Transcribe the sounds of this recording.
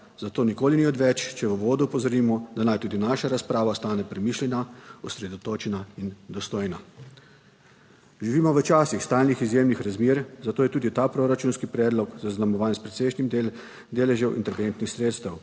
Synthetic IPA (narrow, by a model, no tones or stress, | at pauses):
zat̪oːnikoːliniɔd̪ʋɛt͡ʃt͡ʃɛʋəʋoːd̪upɔzɔɾiːmɔd̪anajt̪ud̪inaːʃaɾaspɾaːʋast̪aːnɛpɾɛmiːʃlʲɛnaɔsɾɛd̪ɔt̪oːt͡ʃɛnaind̪ɔst̪oːjna | ʒiʋiːmɔʋət͡ʃaːsixst̪aːlnixizjeːmnixɾazmeːɾzat̪oːjɛt̪uːd̪it̪apɾoːɾat͡ʃuːnskipɾɛːd̪lɔɡzaznamɔʋaːnspɾɛt̪sɛjʃnim | d̪eːlɛʒɛwʔḭnt̪ɛɾʋent̪nixsɾeːt̪st̪ɛw